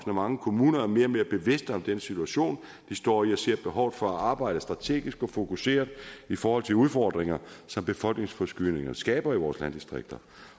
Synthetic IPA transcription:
snəmɑ̈ŋəkʰo̝muːnɐæɐme̝ːɐme̝ːɐb̥e̝ʋe̝sd̥əɒ̽md̥enəsit͡sʰuæɕo̝̰ːn | d̥isd̥ɒ̰ːiɒse̝ɐ̰b̥e̝ɦɒʊ̰ð̩ˠfɒ̽æɑ̈ːb̥ɑ̈ɪ̰d̥əsd̥ʁɑ̈t͡sʰe̝̰ːɡ̥isɡ̥ɒ̽fo̝kʰuse̝̰ːɐðˠifɒːhɒ̽l̰t͡sʰe̝luð̞ˠfɒːd̥ʁeŋɐsɒ̽mb̥e̝fɒ̽l̰ɡ̥ne̝ŋsfɒsɡ̥yne̝ŋɐsɡ̥ɛ̰ːb̥ɐiʋɒːslænd̥isd̥ʁeɡ̥̚d̥ɐ

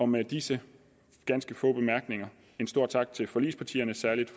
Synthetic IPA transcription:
ɒ̽med̥isə | ɡ̥ænsɡ̥əfɔ̰ːb̥e̝mæɐɡ̥ne̝ŋɐ | e̝nsd̥o̝ɐ̰t͡sʰɑ̈ɡ̥̚t͡sʰe̝lfɒ̽lḭːspʰɑ̈t͡sʰḭːɐnəsæɐlid̥f

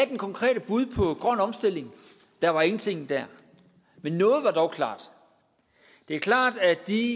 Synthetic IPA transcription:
æd̥enkʰɒ̽ŋkʰʁɛ̰ːɾ̥əb̥uð̞ˠpʰɒ̽ɡ̥ʁɶn̰ɒ̽msd̥e̝l̰e̝ŋ | d̥æɐʋɑ̈e̝ŋn̩t͡sʰe̝ŋ̰n̩d̥æɐ | menːɔ̽ːð̞̩ˠʋɑ̈d̥ɒʊkʰlɑ̰̈ːd̥ | d̥e̝æɐkʰlɑ̰̈ːd̥æd̥i

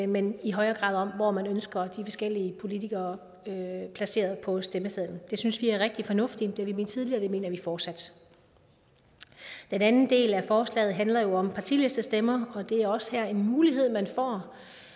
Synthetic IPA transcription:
meniɦɒ̽ɪɐːɡ̥ʁɑ̰̈ːðˠɒ̽m̰ʋɒmænønsɡ̥ɐd̥ifɒ̽sɡ̥el̰iəpʰo̝lit͡sʰiɡ̥ɐː | øpʰlæse̝̰ːɐðˠpʰɒ̽sd̥eməseðˠn̩d̥e̝synsʋiæɐʁeɡ̥̚d̥ifɒ̽nɔ̽fd̥id̥eʋime̝nt͡sʰið̞ˠliɐːd̥eme̝̰ːnɐʋifɒːd̥sæd̥ | d̥enænn̩d̥e̝̰ːlæfɒːslɛ̰ːð̩ˠɦænlɐjo̝ɒ̽mpʰɑ̈t͡sʰḭːle̝sd̥əsd̥emɐɒ̽d̥e̝æɐɒ̽sə̥hæɐ̰e̝nmuːliɦe̝ð̞̰ˠmænfɒ̰ː

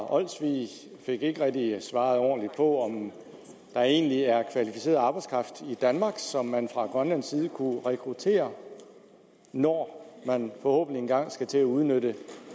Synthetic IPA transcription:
ʔɒ̽l̰sʋḭː | fe̝ɡ̥e̝ɡ̥əʁɛɡ̥̚d̥isʋɑ̈ːð̞̩ˠɒ̰ːnlid̥̚pʰɒ̽ɒ̽m | d̥ɑ̈e̝̰ːnliæɐkʰʋælifi̥se̝̰ːɐðˠɑ̈ːb̥ɑ̈ɪdskʰʁɑ̈fd̥id̥ænmɑ̈ɡ̥sɒ̽mːænfʁɑ̈ɡ̥ʁɶnlænsiːð̞̩ˠəkʰuʁɛkʰʁut͡sʰe̝̰ːɐ | nɒːmænfɒ̽ho̰̽ːb̥n̩lienɡ̥ɑ̈ŋ̰sɡ̥æt͡sʰe̝æuð̞ˠnøɾ̥ə

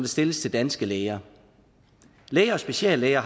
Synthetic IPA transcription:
d̥əsd̥e̝ləst͡sʰe̝ld̥ænsɡ̥əleɪɐ | leɪɐɒ̽sb̥e̝ɕɛ̰ːlːeɪɐ

